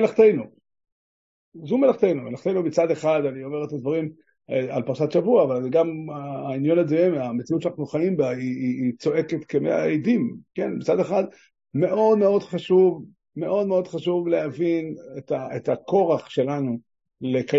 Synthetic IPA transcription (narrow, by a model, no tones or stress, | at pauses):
elaχt̪ejnu | zume̞laχt̪ejnumelaχt̪ejnubit͡sad̪e̞χad̪aniomeʁet̪ad̪vaʁim | alpaʁʃatʃavuaːvalɡamaːinjo̞nazoemamet͡siut̪ːʃanaχnuχaimbaiːt͡so̞ʔe̞ket̪kemea̰ejdimke̞nbit͡sad̪eχad̪ | me̞ʔo̞d̪me̞o̞d̪χaʃuv | me̞ʔo̞d̪me̞o̞d̪̥χaʃuvle̞havinet̪aet̪ako̞ʁaχʃe̞lanu | leka